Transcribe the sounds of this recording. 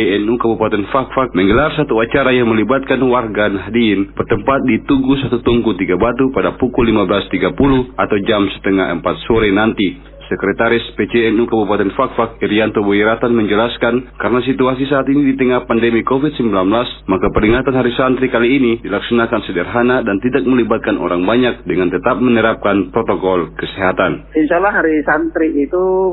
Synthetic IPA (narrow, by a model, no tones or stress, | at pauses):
ɛnukabupat̪ɛnfak̚fak̚məŋɡəlarsat̪uat͡ʃaɾajaŋməlibat̪̚kanwarɡanɦadiinbərt̪əmpat̪̚dit̪uɡusat̪ut̪uŋkut̪iɡabat̪upadapukulːimabəlast̪iɡapuluat̪awd͡ʒamsɛ̥t̪ɛŋaɦɛ̰mpat̪̚sɔɾɛnant̪i | sɛkɾɛt̪aɾispɛt͡ʃɛɛnukəbupat̪ɛnfak̚fak̚iɾiant̪ɔbɔjiɾat̪anmɛɲd͡ʒəlaskankaɾnasit̪uasisaat̪inidit̪əŋahpandɛmikɔfid̪̚səmbilanblasmakapəɾiŋat̪anɦaɾisant̪ɾikaliːnidilaksanakansədɛrɦanadant̪idak̚məlibat̪̚kanʔɔ̰ɾaŋbaɲak̚dəŋant̪ət̪ap̚mənəɾap̚kanpɾɔt̪ɔkɔlkəsɛɦat̪aninsalahɦaɾisant̪ɾiːt̪u